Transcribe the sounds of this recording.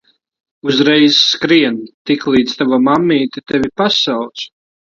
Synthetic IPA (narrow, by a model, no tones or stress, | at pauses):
uzɾɛjsːkɾiɛnt̪iklˠiːt̪st̪avamamːiːt̪ʲit̪ɛvʲipasawt̪s